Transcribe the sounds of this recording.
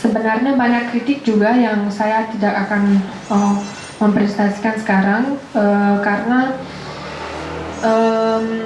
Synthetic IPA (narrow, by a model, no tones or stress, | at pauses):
səbənarɲabaɲakːɾit̪ɪk̚d͡ʒuɡajaŋsajat̪idakakan | ə | məmpɾɛsnasi̥kansə̥kaɾaŋ | əkaɾəna | ʔəm